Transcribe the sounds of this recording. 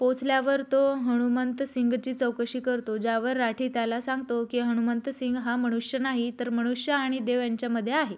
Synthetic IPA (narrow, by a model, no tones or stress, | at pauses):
pot͡sʰljaʋəɾt̪oɦəɽ̃umənt̪əsiŋɡt͡ɕiːt͡səwkəɕiːkəɾt̪od͡ʑaʋəɾːaʈʰiːt̪jalasãŋɡ̚t̪okiːɦəɽ̃umənt̪əsiŋɡɦaməɽ̃uʂjənaɦit̪əɾməɽ̃uʂjəaɽ̃id̪eʋjaɲt͡ɕjaməd̪ʱjeaɦe